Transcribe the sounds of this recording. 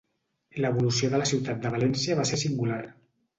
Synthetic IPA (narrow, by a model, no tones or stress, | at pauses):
ləːβulusioðələsiwt̪at̪̚d̪əβ̞alɛnsiəβasesiŋɡulaɾ